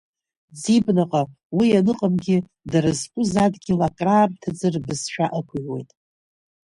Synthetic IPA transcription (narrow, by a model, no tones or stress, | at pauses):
d͡zibnaqʼa | wianɨqʼamɡʲɪ | daɾɨzkʷʼʊzadɡʲɪlakʼraːrtʰad͡zɨrbɨzʃᶣaʔakʷʰʊʕwe̞̰jtʼ